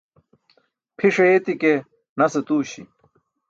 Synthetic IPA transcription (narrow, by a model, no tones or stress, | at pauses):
pʰiʂeet̪ike | nɐset̪uːɕḭ